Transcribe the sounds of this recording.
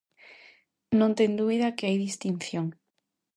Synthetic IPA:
nõnt̪eŋd̪uβiðakeajðist̪inθjoŋ

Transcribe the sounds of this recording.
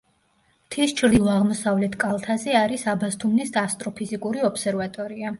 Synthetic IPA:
t̪ʰist͡ʃʰɾd̪ilˠɔaʁmɔsavlɛt̪ʰkʼalˠt̪ʰazɛaɾisabast̪ʰumnisd̪aːst̪ʼɾɔpʰizikʼuɾiɔpʰsɛɾvat̪ʼɔɾia

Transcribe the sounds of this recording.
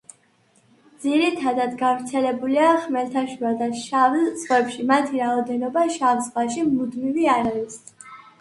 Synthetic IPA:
d̪z̥iɾit̪ʰad̪ad̪ɡavɾt̪sʰɛlɛbuliaχmɛlt̪ʰaʃuad̪aʃavlsʁwɛpʃimat̪ʰiɾaɔd̪ɛnɔbaʃavsvaʃimud̪miviaɾaɾis

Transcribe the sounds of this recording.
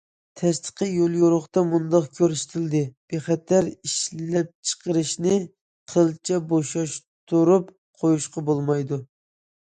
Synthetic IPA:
t̪ʰɛst̪ʰə̥qʰəjolˠjoɾʊχt̪ɑmund̪ɑqkʲʰøɾʃt̪ʰɪld̪ɪb̥eχɛt̪ʰːæɾiʃlɛp̚t͡ʃʰə̥qəɾɨʃnɪ | qʰəlˠt͡ʃʰɛboʃɑʃ | t̪uɾup | qʰojuʃqɑbolˠmɑjd̪u

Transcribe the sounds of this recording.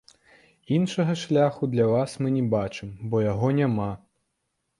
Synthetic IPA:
inʂɐɣɐʂlʲaxud̪lʲɐvasmɨnʲɛbat͡ʂɨmbɔjaɣɔnʲama

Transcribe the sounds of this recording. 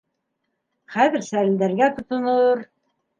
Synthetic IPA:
χæðɘɾsæɾɘ̆ld̪æɾɡæt̪ŏt̪ŏnoɾ

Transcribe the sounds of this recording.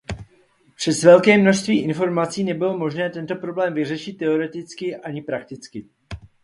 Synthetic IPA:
pr̝̥ɛsvɛlkɛːmno̞ʃst̪viːʔɪnfo̞ɾmat͡siːnɛbɪlo̞mo̞ʒnɛːt̪ɛnt̪o̞pɾo̞blɛːmvɪrɛʃɪt̪ːɛo̞ɾɛt̪ɪt͡skɪʔaɲɪpɾak̚t̪ɪt͡skɪ

